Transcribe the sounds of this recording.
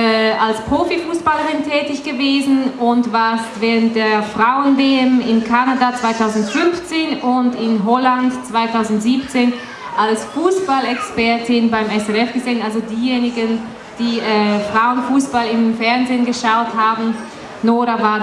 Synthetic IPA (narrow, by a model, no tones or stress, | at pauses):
ɛalspʁ̥oːfifuːsb̥aləʁɪntʰɛːtɪçɡ̥əveːzn̩ʊntvaːɐstvɛːʁənt̚d̥eːɐfʁ̥aʊənveɛmɪnkʰanadat͡sv̥aɪtʰaʊzn̩tfʏnft͡seːnʊntɪnɦɔlantt͡sv̥aɪtʰaʊzn̩tz̥iːp̚t͡seːn | ʔalsfuːsb̥alɛkspɛɐtɪnbaɪmɛsɛʁɛfɡ̥əzɛːnalzodiːjeːnɪɡən | d̥iːʔɛːfʁ̥aʊənfuːsb̥alɪmfɛɐnzeːnɡəʃaʊthaːbn̩ | noːʁavaː